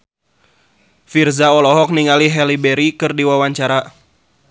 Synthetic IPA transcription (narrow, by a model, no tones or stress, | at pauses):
firzaɔlɔɦɔk̚niŋaliɦɛlibɛɾikɨrdiwawaɲt͡ʃaɾa